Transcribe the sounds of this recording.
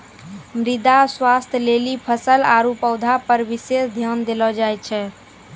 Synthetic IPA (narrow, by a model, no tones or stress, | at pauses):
mɾid̪aswast̪ʰəlelipʰəsəlaɾupəʊd̪ʱapəɾʋisesd̪ʱjand̪elɔd͡ʒajt͡ʃʰɛ